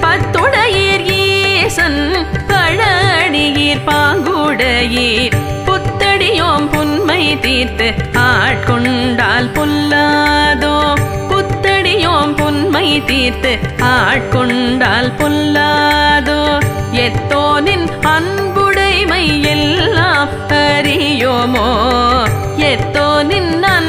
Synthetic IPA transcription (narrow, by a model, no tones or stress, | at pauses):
pɐt̪ːʊɽɐjiːɾjiːsɐnpɐɻɐɽɪjiːɾpaːŋɡʊɽɐjiːɾ | pʊt̪ːɐɽɪjoːmpʊnmɐɪt̪iːɾt̪ɯaːʈ̚kɔɳɖaːlpʊlːaːðoː | pʊt̪ːɐɽɪjoːmpʊnmɐɪt̪iːɾt̪ɯaːʈ̚kɔɳɖaːlpʊlːaːðoːɛt̪ːoːnɪnɐnbʊɽɐɪmɐɪɛlːãːm | pɐɾɪjoːmoː | ɛt̪ːoːnɪnːaːn